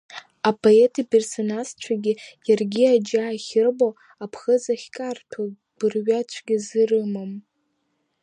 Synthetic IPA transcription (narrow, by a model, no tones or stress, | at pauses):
apʰo̞e̞tʰipʰe̞rso̞nazt͡ʃʷʰaɡʲɪjarɡʲiad͡ʒaːχʲɪrbo | apʰχəzaχʲkʼartʰa | b̥ɨrɥat͡ʃʷʰɡʲizɨrɨmam